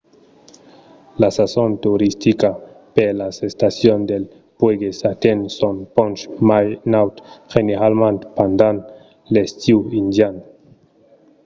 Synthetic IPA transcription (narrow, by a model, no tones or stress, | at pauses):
lasasont̪uɾist̪ika | pelasest̪asjond̪el | pweɡesat̪ensonpont͡ʃmajnawt̪xeneɾalmant̪pand̪an | lest̪iind̪jan